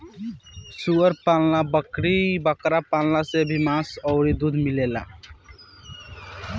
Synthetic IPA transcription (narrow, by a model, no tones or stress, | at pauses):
suəɾpallabəkɽibəkɾapallasebʱimãsɔʊɾid̪uːd̪ʱmilela̰